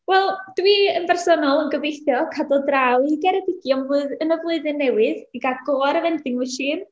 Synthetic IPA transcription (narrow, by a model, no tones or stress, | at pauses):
wɛlˠd̥wiːənbʰɛrsɔnɔlˠənɡəvejθjɔkʰadɔlˠdrawiɡɛɾɛdɪɡ̥jɔmvʊːðənəvlˠʊɨðɨnːɛwɨðiɡaɡ̥oaɾəvɛndɪŋɨʃiːm